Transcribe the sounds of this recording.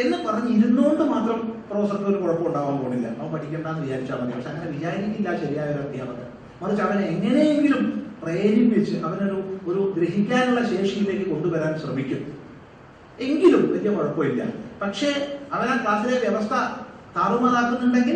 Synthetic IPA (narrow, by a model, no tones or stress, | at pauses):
e̞nːɨpɐrɐɲːɨiɾunːoːɳɖɨmaːt̪rɐmpro̞ːsɐt̪ɐoɾukuɻɐpːɐuɳɖaːʋaːnt̪oːɳːɖilːɐ̰ɐ̰ʋɐmpɐʈʰikʲːuɳɖaːnːɨʋit͡ɕaːɾit͡ɕːamɐnijɐ̰mɐʂeɐŋːɐneʋid͡ʑaːɾikʲːilːaːɕɐɾijaːjoɾaːt̪ːija̰ːʋɐt̪ːɐ̰ | mɐrit͡ɕːɐʋɐneŋːɐne̞jeŋɡilumprejenikʋet͡ɕːɨʔɐʋɐno̞ɾuoɾuɡɾeɦikʲːaːnuɭːɐɕe̞ːʂijile̞ːkːɨko̞ɳɖuʋɐɾaːnɕrɐmikʲːum | e̞ŋɡilumʋɐt̪ijɐkoɻɐpːoːjilːɐ̰pɐkʂe̞ːɐʋɐnaːnkaːɾɐt̪ːileʋjeʋɐst̪ʰɐ | t̪ʰaːrumaːlaːkːunːuɳɖeŋɡil